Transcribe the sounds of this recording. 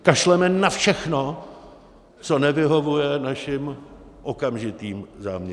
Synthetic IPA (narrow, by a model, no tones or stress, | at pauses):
kaʃlɛmɛnafʃɛxno | t͡so̞nɛvɪɦo̞vujɛnaʃɪm | ʔokamʒɪt̪iːmzaːmɲɛ